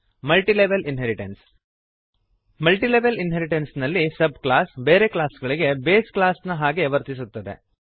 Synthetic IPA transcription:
mɐlʈileʋelinɦeɾiʈens | mɐlʈileʋelinɦeɾiʈensnɐlːisɐb̚klaːsbeːɾeklaːsɡɐɭiɡe̞beːsklaːsnɐɦaːɡeʋɐɾt̪isut̪ːɐd̪ḛ

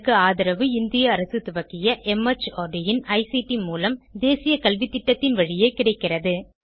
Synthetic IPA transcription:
kːɯaːðɐɾɐʋɯɪnd̪ɪjɐːɾɐsɯt̪ʊʋɐkːɪjɐʔɛmɐt͡ʃːoːɖɪjɪnɐɪsiʈimuːlɐmd̪eːsɪjɐkɐlʋit̪ːɪʈːɐt̪ːɪnʋɐɻɪjeːkɪɽɐɪkːɪrɐðɯ

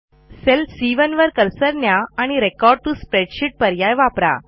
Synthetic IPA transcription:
selfsiʋənʋəɾkəɾsəɾnjaaɽ̃iɾekɔɾɖ̚ʈuspɾeɖɕiʈ̚pəɾjajʋapɾa̰

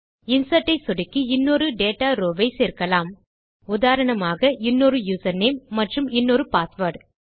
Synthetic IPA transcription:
ɪnsɐʈːɐɪsɔɽɪkːiɪnːoːɾɯɖeːʈaːɾoːʋɐɪseːɾkɐlaːm | ʊðaːɾɐɳɐmaːɣɐʔɪnːoːɾɯjuːsɐɾneːmːɐʈrɯmɪnːoːɾɯpaːsʋɐːɖ

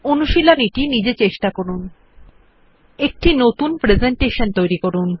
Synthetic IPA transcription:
onuʃiloniʈinid͡ʑet͡ɕeʃʈakoɾun | ek̚ʈinot̪unpɾed͡ʑeɳʈeʃont̪ojɾikoɾun

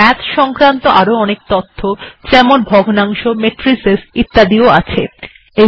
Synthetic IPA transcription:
ɛt̪ʃɔŋkɾant̪oʔaɾoɔnek̚t̪ot̪ʰːot͡ɕɛmonbʱɔɡʱnaŋʃomeʈɾisesit̪ːad̪ioat͡ɕʰe | e

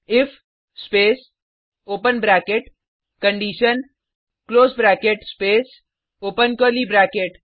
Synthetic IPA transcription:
ɪfʰ | speːs | oːpənbɾaːkeʈ | kə̃ɳɖiːʃən | kloːsbɾaːkeʈspeːs | oːpənkolibɾaːkeʈ

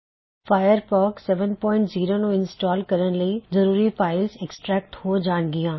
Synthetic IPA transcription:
faːjəɾpɔːksɛʋənpɔ̃ːɪ̃ɳʈziːɾonõɪ̃nsʈɔːlkɐɾəɽ̃̆lɐizɐɾuːɾipaːɪlzeksʈɾɛːk̚ʈhood͡ʑaːɽ̃ɡijãː

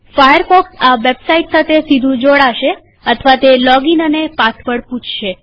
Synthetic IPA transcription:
fajəɾfɔksaʋebsaiʈsat̪ʰesid̪ʱũd͡ʒoɽaʃe | ət̪ʰəʋat̪elɔɡinənepat̪ʰpəɽpũt͡ʃʰʃe

